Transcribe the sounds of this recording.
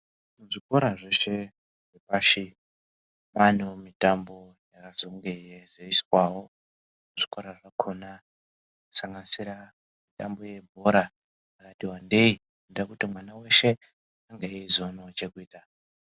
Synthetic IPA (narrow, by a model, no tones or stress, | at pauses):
muʐiko̞ɾaʐeʃe̞ | ŋepaːʃi | manomitambo̞ | jakazoŋɡejezeiswawo̞ | uʐikoɾaʐakʰona | ku̥saŋɡanisiɾa | mitambo̞je̞bʱoɾa | akatiwande̞ikundakutimwanawe̞ʃe̞ | aŋɡeiizonot͡ʃe̞kuiːta